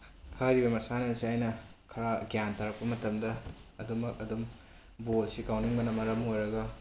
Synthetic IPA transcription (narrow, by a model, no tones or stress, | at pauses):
kʰaɾibɐmɐsanɐsiajnɐkʰɐɾaɡjantʰaɾɐk̚pɐmɐtɐmdɐːdumɐkɐdumk | bolsikawniŋbɐnɐmɐɾɐmojɾɐɡɐ